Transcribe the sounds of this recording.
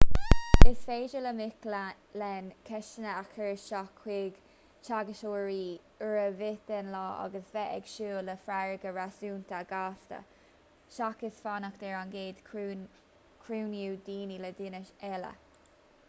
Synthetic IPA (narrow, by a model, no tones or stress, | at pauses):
ɪsfeːd͡ʒələmɪkl | lɛnkʰɛʃənəakʰəɹʃakʰwɪːɡ | t͡ʃʰaɡəʃoːɹiː | əɹəvɪt̪ɛnlɑːʔa̰ɡəsvɛʔɛ̰ɡ̥ʃuːləfɾaɹəɡəɹasuːnt̪aɡaːst̪ə̰ | ʃakɪsfanakd̥̪ɛɹanɡeːd̥̪ʰ | kʰɹuːnjuːd̪iːniləd̪ɪnəʃɛlə̰